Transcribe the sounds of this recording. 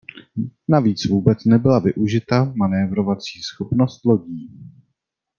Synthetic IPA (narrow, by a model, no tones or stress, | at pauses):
naviːt͡svuːbɛt͡snɛbɪlavɪʔuʒɪt̪amanɛvɾo̞vat͡siːsxopno̞st̪lo̞ɟiː